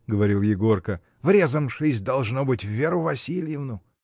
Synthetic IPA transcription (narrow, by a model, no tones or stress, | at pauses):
ɡəvɐɾʲilˠjɪɡorkə | vɾʲezəmʂɨsʲd̪ɐlˠʐnobɨtʲvːʲeɾʊvɐsʲilʲjɪvnʊ